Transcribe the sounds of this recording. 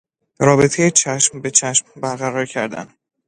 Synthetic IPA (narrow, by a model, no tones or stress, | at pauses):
ɾɒːbe̞t̪ʰe̞jet͡ʃʰæʃmbe̞t͡ʃʰæʃmbæɾɣæɾɒːɾcʰæɾd̪æ̰n